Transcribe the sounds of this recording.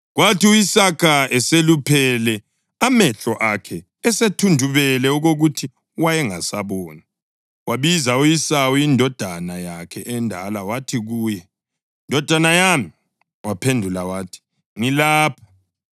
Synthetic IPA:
ɣwatiujisakʰaʔɛselupʰɛlɛ | amɛɬɔʔakʰɛ | ɛsetʰundʱuβɛlɛuɣoɣutʰi | wajɛŋa̰saβɔːna | waβizaujisaujindʱɔd̥ʱanajakʰɛʔɛndʱa̰lawatʰiɣuːjɛ | ndʱɔd̥ʱanajami | wapʰendʱulawatʰi̥ | ŋilaːpʰḁ

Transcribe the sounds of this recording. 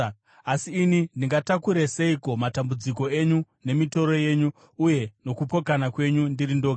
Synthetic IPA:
asiːnindiŋɡatakuɾeseiko̞matambud͡ziko̞e̞ɲu | ne̞mito̞ɾo̞je̞ːɲuː | je̞no̞kupo̞kanakwe̞ɲundirindoka

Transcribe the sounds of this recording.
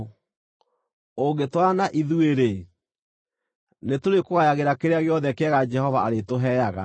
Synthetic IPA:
oŋɡetwanaʔiðueɾe | netoɾekoɣajaɣeɾakeɾeaɣeɔðɛkeɛɣad͡ʒɛhɔvaaɾetoɦɛjaɣa̰

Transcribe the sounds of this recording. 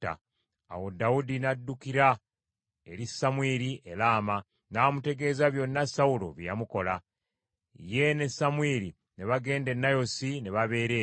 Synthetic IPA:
a̰ | a̰wo̞daudinadːukiɾa | eɾisːamweɾiʔe̞laːma | naːmute̞ɡe̞ːzaβjo̞nːasaulo̞̰βjjamuko̞la | je̞ne̞samweɾi | ne̞βaɡe̞ːnde̞nːajo̞sine̞βaβe̞ːɾe

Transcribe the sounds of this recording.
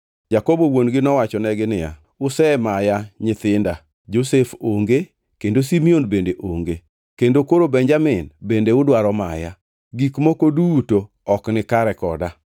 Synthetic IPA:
d͡ʒakobowonɡɪnɔwat͡ʃɔnɛɡɪnɪa̰ | ʊsɛmajaɲɪt̪ɪnda | d͡ʒosefoŋɡe | kendosimionbendeʔoŋɡe | kendokoɾobɛɲd͡ʒamɪnbendeʊdwaɾɔmaja̰ | ɡikmokoduto | ɔknɪkaɾɛkɔda

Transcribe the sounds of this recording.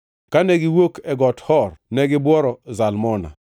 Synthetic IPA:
kanɛɡɪwokɛɡɔthɔrnɛɡɪbwɔɾɔzalmɔna̰

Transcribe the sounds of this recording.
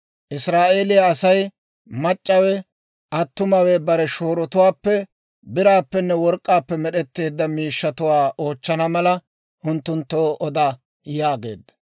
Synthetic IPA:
ʔɪsɾaːʔe̞ːlɪjɐːsɐj | mɐt͡ʃʼːɐwɛ | ʔɐt̪ːʊmɐwɛbɐɾɛʃo̞ːɾɔt̪ʊwaːpːɛ | bɪɾaːpːɛnːɛwɔɾkʼːaːpːɛmɛɗɛt̪ːe̞ːd̪ːɐmiːʃːɐt̪ʊwaːʔoːt͡ʃːɐnɐmɐlɐ | ʔʊnt̪ːʊnt̪ːoːʔɔd̪a | jaːɡe̞̰ːd̪ɐ̥

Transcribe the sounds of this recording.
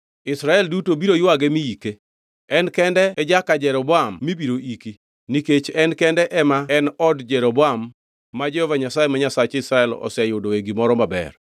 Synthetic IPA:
ɪsɾaɛldutobiɾojwaɡemijike | ɛnkɛndɛɛd͡ʒakad͡ʒɛɾɔbɔamːibiɾoʔiki | niket͡ʃɛnkɛndɛʔɛmaɛnɔdd͡ʒɛɾobɔamː | ad͡ʒɛhɔvaɲasajemaɲasat͡ʃɪsɾaɛlɔ̰sɛjʊdoeɡimɔɾɔmabɛ̰r

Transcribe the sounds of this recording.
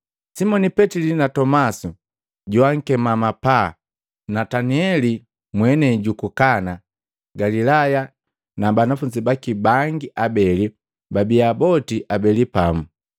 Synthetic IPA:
simɔnipɛtilinatɔmasu | ɟuaŋ̩kɛmamapa | nataniɛli | mwɛnɛɟukukana | ɡalilaja | nabanafuɲd͡ʒibakibaŋɡiʔabɛli | babiabɔtiʔabɛlipamu

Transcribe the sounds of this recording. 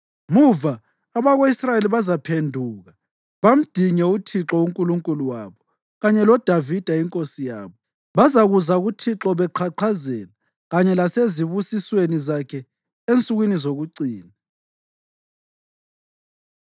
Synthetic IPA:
muvaː | βaɣoisrajeliβazapʰendʱuːɣa | βam̩d̥ʱiɲɛutʰiǁɔuŋkʼuluŋkʼuluwa̰βɔ | ɣaɲɛlɔd̥ʱavid̥ʱaiŋkʼosija̰ːβɔ | βazaɣuzaɣutʰiǁɔβɛǃʰaǃʰazɛːla | ɣaɲɛlaseziβusiswenizakʰɛ | ent͡sʼuɣwinizoɣuǀiːna

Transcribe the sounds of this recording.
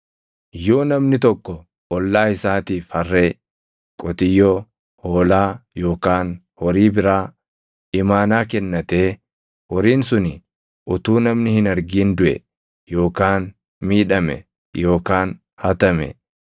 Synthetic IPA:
jo̞ːnɐmnɪt̪ɔkːɔ | ʔɔlːaːɪsaːt̪iːfhɐrːe̞ː | kʼɔt̪ɪjːɔː | hoːlaːjo̞ːkaːn | hɔɾiːbɪɾaː | ɪmaːnaːkɛnːɐt̪eː | wɔɾiːnsʊnɪ | ʔʊt̪uːnɐmnɪhɪnɐɾɡiːnd̪ʊʔɛ̰ | jo̞ːkaːn | miːᶑɐmɛ̰ | jo̞ːkaːn | hɐt̪ɐmɛ̰

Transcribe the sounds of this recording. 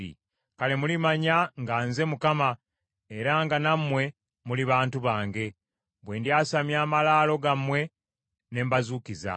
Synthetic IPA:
ḭ | kale̞mulimaɲaŋɡaːnze̞mukama | e̞ɾaŋɡanamːwe̞ | muliβaːntuβaːŋɡe̞ | bwe̞ːndiaːsamjaːmalaːlo̞ɡamwe̞ | ne̞ːmbazuːkiza̰

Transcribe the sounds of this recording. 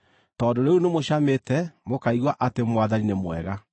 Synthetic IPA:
tɔːndoɾeunemoɕametɛmokaiɣwaʔatemwaðaninemwɛ̰ɣa

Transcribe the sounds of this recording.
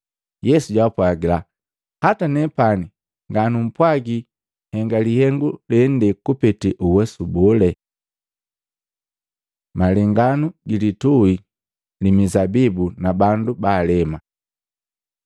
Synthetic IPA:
jɛsuɟwapwaɡila | hatanɛpani | ŋɡanum̩pwaɡi | hɛŋɡalihɛŋɡulɛn̩dɛkupɛtiʔuwɛsubɔlɛ | malɛŋɡanuɡilitui | limizabibunabandubaːlɛma

